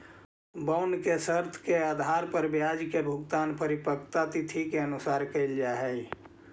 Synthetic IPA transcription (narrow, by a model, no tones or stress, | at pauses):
bəʊnkesəɾt̪ʰkeaːd̪ʱaːɾpəɾbjad͡ʒkebʱʊɡt̪aːnpəɾipəkt̪at̪it̪ʰikeənusaːɾkəɪld͡ʒaɦɛj